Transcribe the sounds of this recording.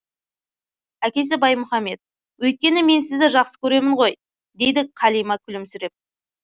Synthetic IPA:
ækʲe̞s̬ɪbɑjmʊχɑmːe̞t̪̚ | wɵjt̪̚kʲe̞nɪme̞nsɪzd̪ɪʒɑqsə̥kʲʰɵɾe̞mɪɴʁo̞j | d̪e̞jd̪ɪqʰɑlijmɑkʲʰʏlɪmsʏɾe̞p̚

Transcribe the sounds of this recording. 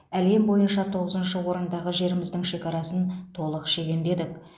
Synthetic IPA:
æle̞mbo̞jənʃɑt̪ʰo̞ʁəzənʃəwo̞ɾənd̪ɑʁəʒe̞ɾɪmɪzd̪ɪŋʃe̞kɑɾɑsənt̪ʰo̞lˠəqʃe̞ɡʲe̞nd̪e̞d̪ɪk

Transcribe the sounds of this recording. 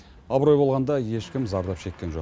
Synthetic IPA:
ɑbɾo̞jbo̞lˠʁɑnd̪ɑje̞ʃkʲɪmzɑɾd̪ɑpʃe̞kʲːe̞nʒo̞q

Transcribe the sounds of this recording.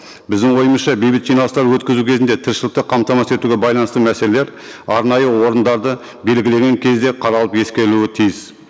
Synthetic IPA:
bɪzd̪ɪŋwo̞jəməsʃɑbejbɪt̪ʒijnɑlˠəst̪ɑɾwɵt̪kʲɪzukʲʰe̞zɪnd̪e̞t̪ʰɪɾʃɪlˠɪk̚t̪əqʰɑmt̪ɑmɑse̞t̪uɡʲebɑjlˠɑnəst̪əmæse̞leleɾ | ɑɾnɑjəwo̞ɾənd̪ɑɾd̪ə | be̞lɡʲɪle̞ɡʲe̞ŋkʲʰe̞zd̪e̞qʰɑɾɑlˠəpje̞skʲe̞ɾluɪt̪ʰijɪs

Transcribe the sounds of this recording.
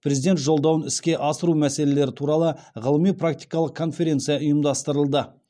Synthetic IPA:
pɾe̞zid̪e̞nt̪ʒo̞lˠd̪ɑwənɪskʲe̞ʔɑsəɾumæse̞le̞le̞ɾɪt̪ʰuɾɑlˠəʁəlˠəmijpʰrak̚t̪ijkɑlˠəq̚kʰo̞nfʲe̞ɾʲe̞nt̪sɨjɑʊjəmd̪ɑst̪əɾəlˠd̪ə

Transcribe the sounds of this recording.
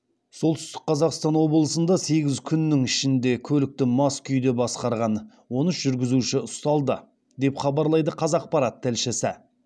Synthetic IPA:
so̞lˠt̪ʰʏ̥st̪ɪk̚qʰɑzɑqst̪ɑnwo̞bəlˠəsənd̪ɑse̞ɡʲɪzkʲʰʏnːɪŋɪʃɪnd̪e̞kʲʰɵlɪk̚t̪ɪmɑskʲʰʏjd̪e̞bɑsqɑɾʁɑn | wo̞nəsʒʏɾɡʲɪzuʃɪʊst̪ɑlˠd̪ə | d̪e̞pχɑbɑɾlˠɑjd̪əqʰɑzɑq̚pɑɾɑt̪ʰːælʃɪsɪ

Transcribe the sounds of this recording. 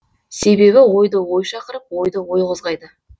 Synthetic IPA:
se̞be̞βɪwo̞jd̪əwo̞jʃɑqəɾəp̚wo̞jd̪əwo̞jqʊzʁɑjd̪ə

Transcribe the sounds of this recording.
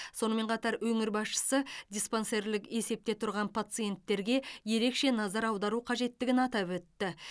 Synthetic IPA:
so̞nəme̞ɴqʰɑt̪ɑɾwɵŋɪɾbɑsʃə̥səd̪ʲispo̞nse̞ɾlɪke̞se̞p̚t̪e̞t̪ʰʊɾʁɑnpʰat̪sɨje̞nt̪ːe̞ɾɡʲe̞je̞ɾe̞kʃe̞nɑzɑɾɑwd̪ɑɾuqʰɑʒe̞t̪ːɪɡʲɪnɑt̪ɑpwɵt̪ːɪ

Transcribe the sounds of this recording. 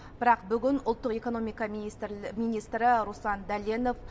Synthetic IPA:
bbɪɾɑqbʏɡʲɪnʊlˠt̪ːəqe̞ko̞no̞mijkɑmijnijst̪ɾɪɾusɑnd̪ælʲeno̞f

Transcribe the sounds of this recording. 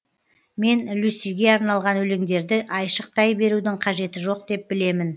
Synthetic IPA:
me̞nlusijɡʲe̞ɑɾnɑlˠʁɑnwɵlɪŋd̪e̞ɾd̪ɪʔɑjʃəq̚t̪ʰɑjbe̞ɾud̪ɪɴqʰɑʒe̞t̪ɪʒo̞q̚d̪e̞p̚bɪle̞mɪn

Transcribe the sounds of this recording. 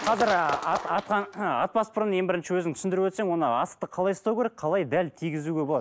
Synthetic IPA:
qʰɑzɪɾt̪ɑt̪qɑnɑt̪̚pɑspəɾje̞ŋbɪɾɪnʃɪwɵzɪŋt̪ʰʏ̥sɪnd̪ɪɾuwɵt̪se̞ŋwo̞nəɑsəq̚t̪əqʰɑlˠɑjəst̪ɑwkʲʰeɾek̚qʰɑlˠɑjd̪ælt̪ʰijɡʲɪzuɡʲe̞bo̞lˠɑd̪

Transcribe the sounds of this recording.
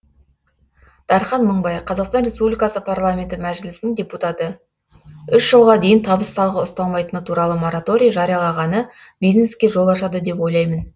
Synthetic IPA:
d̪̥ɑɾχɑnməɴbɑjqʰɑzɑqst̪ɑnrʲe̞spublʲijkɑsəpʰarlˠamʲe̞nt̪ɪmæʒɪlɪsɪnɪŋdʲe̞put̪at̪ə | ʏʃʒ̥əlˠʁɑd̪e̞jɪnt̪ʰɑbəsːɑlˠʁəʊst̪ɑlˠmɑjt̪ənət̪ʰuɾɑlˠəmo̞ɾat̪o̞ɾʲijaʒɑɾijɑlˠɑʁɑnə | bijzneskʲe̞ʒo̞lˠɑʃɑd̪əd̪e̞pwo̞jlˠɑjmən

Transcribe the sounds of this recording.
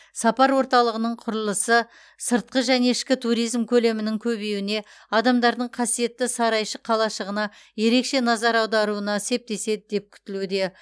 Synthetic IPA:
sɑpɑɾwo̞ɾt̪ɑlˠəʁənəɴqʰʊɾəlˠəsə | səɾt̪̚qəʒæne̞ɪʃkʲɪt̪ʰuɾijzmkʲʰɵle̞mɪnɪŋkʲʰɵbe̞wɪne̞ | ɑd̪ɑmd̪ɑɾd̪əɴqʰɑsije̞t̪ːɪsɑɾɑjʃəqʰɑlˠɑʃəʁənɑ | je̞ɾe̞kʃe̞nɑzɑɾɑwd̪ɑɾuənɑse̞p̚t̪e̞se̞d̪ɪd̪e̞p̚kʲʰʏ̥t̪ɪlud̪e̞

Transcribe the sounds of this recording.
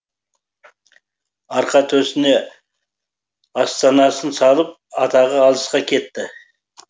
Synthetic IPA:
ɑɾqɑt̪ʰɵsɪne̞ | ɑst̪ɑnɑsənsɑlˠəp̚ɑt̪ɑʁəːlˠəsqɑkʲʰe̞t̪ːɪ

